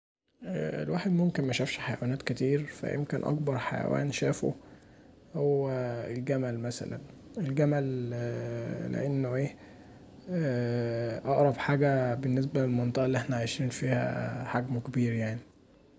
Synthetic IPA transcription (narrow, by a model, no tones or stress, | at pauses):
ʔḛlwaːħed̪momkenmæʃæfʃħajæwænæːt̪ket̪iːɾfæ̰ʔḛmkenʔɑ̰kbɑɾˤħajæ̰wæ̰ːnʃæːfo̰ | howːæelɡæmælmæsæ̰læ̰n | elɡæmæl | lḛʔenːoʔeː | ʔɑʔɾˤɑfħaːɡæbenːes̬bælelmɑnt̪ˤɑʔɑlːieħnæʕajʃiːnfiːhæ̰ħaɡmokebiːɾjaʕni